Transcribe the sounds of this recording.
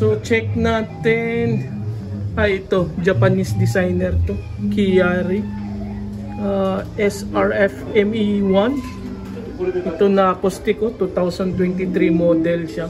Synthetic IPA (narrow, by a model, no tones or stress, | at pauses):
sot͡ʃɛk̚naːt̪ɪn | ʔɐjɪt̪o̞d͡ʒɐpɐnisd̪ɪsajnɛɾt̪o | kijaɾi | ʔaʔɛsʔaɹɛfɛmiwan | ʔɪt̪onɐkost̪ɪkot̪ut̪awsɐnt̪wɛnt̪ɪt̪ɾimot̪ɛlʃa